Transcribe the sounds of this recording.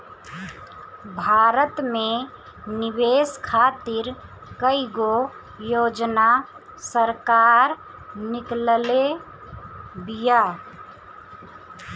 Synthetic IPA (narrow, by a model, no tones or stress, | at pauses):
bʱaːɾət̪mẽ | nɪʋeːskʰaːt̪ɪɾ | kəiɡo | joːd͡ʒna | səɾkaːɾ | nɪklle | bija